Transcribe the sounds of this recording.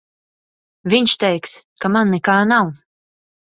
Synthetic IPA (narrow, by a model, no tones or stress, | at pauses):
vʲiɲʃt̪ɛjks | kamanːɛkaːnaw